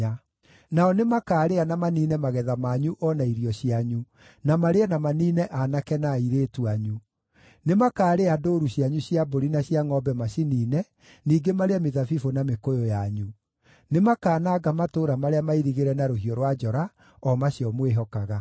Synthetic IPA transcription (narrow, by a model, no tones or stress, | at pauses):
a | naɔnemakaːɾeanamaniːnɛmaɣɛðamaɲuʔɔnaiɾiɔɕiaɲu | namaɾeanamaniːnɛʔanakɛnaiɾeːtuaɲu | nemakaːɾeadoɾuɕjaɲuɕijaboɾinaɕiaŋɔbɛmaɕiniːnɛ | niːɡemaɾeameðafifonamekojojaɲu | nemakaːnaːɡamatoːɾamaɾeamaiɾiɣeɾɛnaɾoɦiɔɾwad͡ʒɔɾa | ɔmaɕiɔmweɦɔkaɣa